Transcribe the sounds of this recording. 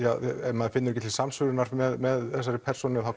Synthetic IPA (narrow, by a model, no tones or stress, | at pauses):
jaːɛmːaðfɪnːʏɾɛcɪt̪ʰɪlsamsʏɣɾʏɪnaɾ̥mɛðmɛðθɛsːaɾɪpʰɛɾ̥sɔnɪɔθa